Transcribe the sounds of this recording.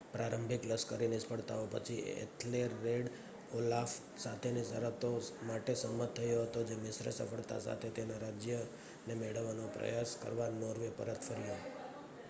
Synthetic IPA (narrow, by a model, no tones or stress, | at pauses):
pɾaɾəmbʱɪkləskəɾinɪspəɭt̪a̰opə̰t͡ʃʰiḛt̪ʰleɾːeɖ | olaf | sat̪ʰenisəɾət̪omaʈesəmət̪t̪ʰːəjoɦət̪od͡ʒemɪsɾə̰sə̰fəɭt̪a̰sa̰t̪ʰet̪enaɾad͡ʒjə | nemeɭəʋːanopɾə̰jaskə̰ɾʋanɔɾʋepə̰ɾət̪fʰəɾjo